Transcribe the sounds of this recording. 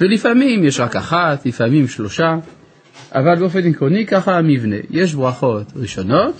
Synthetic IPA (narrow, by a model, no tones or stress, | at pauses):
velifamimjeʃʁakaχat̪lifamimʃlo̞ʃa | ʔa̰valbeofe̞nikʁonikaχamivne̞̰je̞ʃ̬bʁaχo̞t̪ʁiʃo̞no̞t̪